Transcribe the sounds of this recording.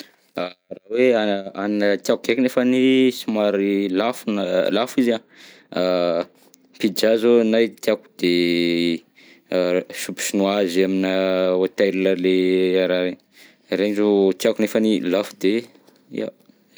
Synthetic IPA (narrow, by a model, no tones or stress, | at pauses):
araweaannət̪jakukekʲinefənisimaɾilafunəlafiza | pid͡ʒazonajt̪iaku̥d̪̥e | supu̥sinuazaminəot̪aɾləleaɾaɾen | ɾend͡ʒot̪iakunefənilafud̪e | ḭa̰